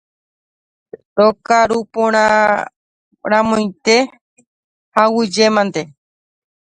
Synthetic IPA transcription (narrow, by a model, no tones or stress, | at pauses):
t̪okaɾupõɾ̃ã | ɾ̃ãmõj̃t̪e | hawɨd͡ʒemãnt̪e